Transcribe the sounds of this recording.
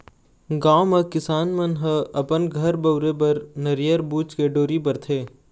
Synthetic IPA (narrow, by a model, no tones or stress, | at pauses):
ɡãːomɐkɪsaːnmɐnɦɐɐpənɡʱɐɾbɐʊɾepɐɾnɐɾijəɾbuːt͡ʃkeɖoːɾip̬ɐɾt̪ʰeː